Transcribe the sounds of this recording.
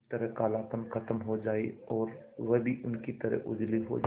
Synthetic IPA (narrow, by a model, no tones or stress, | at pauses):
t̪ɐɾəkaːlaːpənkʰɐt̪əmɦod͡ʒaːeɔːɾ | ʋɐbʱiʔʊnkit̪ɐɾə̰ʔʊd͡ʒliɦo̰d͡ʒ